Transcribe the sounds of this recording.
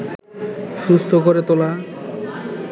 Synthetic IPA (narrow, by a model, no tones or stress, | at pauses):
ʃust̪ʰokoɾet̪ola